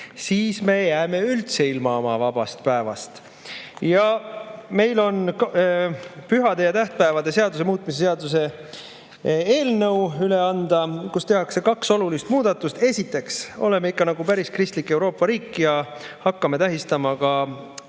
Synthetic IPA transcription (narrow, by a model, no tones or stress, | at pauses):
siːsme̞jæːme̞ylt̪se̞ilmɑomɑ̰vɑb̥ɑ̰st̪̚pæevɑ̰st̪ | jɑme̞jlo̞n | pyɦɑd̪e̞jɑt̪æht̪̚pæevɑd̪e̞se̞ɑd̪use̞muːt̪̚ˑmis̬eseɑd̪us̬e̞ | eːlnə̞wyleɑnd̪̥ɑkust̪e̞ɦɑkse̞kɑkso̞lulist̪muːd̪̥ɑt̪ːust̪e̞sit̪ːˑe̞kso̞̰le̞meikːɑnɑɡupæɾiskrist̪likːˑe̞wɾo̞ːpˑːɑɾiːkːˑjɑhɑkːɑme̞t̪æɦist̪ɑmɑkɑ